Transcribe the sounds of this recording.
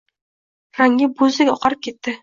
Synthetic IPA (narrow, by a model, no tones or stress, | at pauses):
ɾaŋːʲɪbozd̪ɪɡʲɒqʰɑɾɪp̚kʲe̞t̪ːɪ